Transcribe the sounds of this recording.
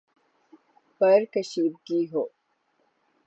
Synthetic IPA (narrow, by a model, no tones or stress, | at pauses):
pɐɾkɐʃiːb̚ɡiːɦoː